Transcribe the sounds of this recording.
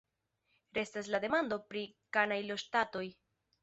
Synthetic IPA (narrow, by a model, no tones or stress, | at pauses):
ɾe̞staslade̞mando̞pɾikanajlo̞ʃtato̞j